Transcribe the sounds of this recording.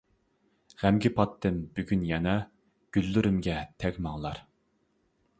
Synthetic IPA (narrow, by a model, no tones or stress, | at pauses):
ʁæmɡʲipʰɑt̪ʰːɨnbyɡʲynjɛnɛ | ɡ̥ʲylːyɾɪmɡʲɛt̪ʰɛkʲmɑŋlˠɑɾ